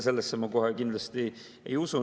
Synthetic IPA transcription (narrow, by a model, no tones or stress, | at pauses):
se̞lːesːemɑko̞ɦekind̪lɑst̪i | ḛjusu